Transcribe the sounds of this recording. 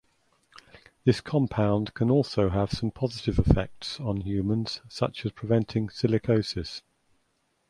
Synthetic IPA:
ðɪskʰɒ̃mpʰãʊ̃nd̥kʰə̃nɔˑlˠsəʊəv̥sə̃mpʰɒzɪtɪvɪfɛ̰k̚tsn̩hjʉːmə̃nz̥sʌ̰t͡ʃəz̥pʰɹ̥ɪvɛ̃ntʰɪ̃ŋsɪlɪkʰəʊsɪs

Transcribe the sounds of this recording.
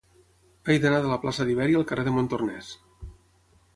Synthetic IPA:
ajðənaðələplasəðiβɛɾiəlˠkəreðəmont̪ornɛs

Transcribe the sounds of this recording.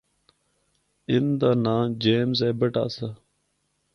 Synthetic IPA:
ɪnd̪aːnãːd͡ʒeːmzeːbəʈa̰ːsa

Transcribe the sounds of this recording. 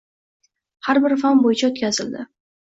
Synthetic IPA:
haɾbɪɾfanbojɪt͡ʃʰaot̪kʲazɪld̪ɪ

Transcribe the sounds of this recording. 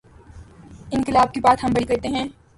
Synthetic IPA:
ɪnkɪlaːb̚kibaːt̪ɦɐmbɐɽ̃ikɐɾt̪eɦɛ̃ː

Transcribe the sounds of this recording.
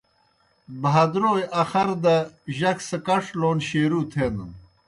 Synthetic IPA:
bɦɐd̪ɾoːjɐxɐɾd̪ɐʑɐksəkɐʂʰloːnɕeːɾut̪ʰenən

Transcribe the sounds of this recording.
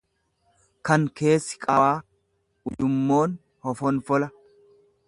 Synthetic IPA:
kɐŋke̞ːsːɪ̥kʼɐwaː | ʊjʊmːoːn | hɔfɔnfɔlɐ

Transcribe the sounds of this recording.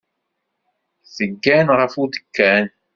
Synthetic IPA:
θəɡːænʁəfud̪əkːæn

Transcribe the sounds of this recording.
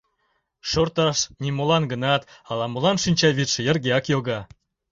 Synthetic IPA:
ʃort̪ɑʃnʲimolɑnɡənɑt̪ɑlˠɑmolˠɑnʃinʲt͡ɕɑβit̪ʃə̆jə̆rɡʲeɑkjoɡɑ

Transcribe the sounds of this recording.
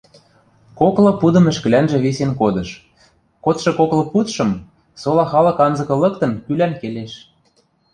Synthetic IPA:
koklɤ̆pud̪ɤ̆mɘ̆ʃkɘ̆lænʒĕβisenkod̪ɤ̆ʃ | kot̪ʃɤ̆koklɤ̆put̪ʃɤ̆m | solɑxɑlɤ̆kɑnzɤ̆kɤ̆lɤ̆kt̪ɤ̆nkylænkeleʃ

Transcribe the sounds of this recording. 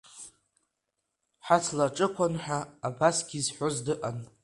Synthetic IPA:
ħat͡sʰlaʈ͡ʂʼɨkʷanħʷᶣaːbasɡʲizħʷozdɨʔʼan

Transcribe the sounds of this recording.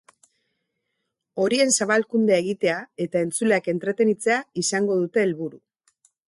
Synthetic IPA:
o̞ɾie̞nsaβalkund̪eae̞ɣit̪e̞ae̞t̪ae̞nt͡suleake̞nt̪ɾe̞t̪e̞nit͡se̞aisaŋɡo̞ð̞ut̪e̞ːlβuɾu

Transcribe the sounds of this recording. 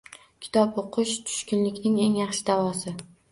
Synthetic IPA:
kʲʰɪ̥t̪ʰɒpʊqʰʊʃt̪ʰʊ̥ʃkʲɪnlɪkʲnɪŋe̞ŋjɑχʃɪd̪avɒsɪ

